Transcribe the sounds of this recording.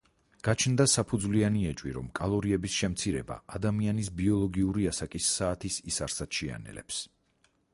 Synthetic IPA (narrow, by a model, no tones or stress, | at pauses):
ɡ̥at͡ʃʰnd̪asapʰud̪zlianiɛt͡ʃʼwiɾɔ̰mkʼalˠɔɾiɛbisʃɛmt̪sʰiɾɛba̰ad̪amianisbiɔlˠɔɡiuɾiasakʼisːaːt̪ʰisisaɾsad̪̥ʃia̰nɛ̰lɛ̰ps